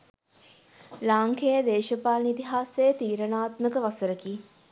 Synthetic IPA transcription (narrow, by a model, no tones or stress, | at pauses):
laːŋkʰejəd̪eːʃəpaːlnit̪iɦaːsejət̪iːɾənaːt̪məkəʋasəɾəki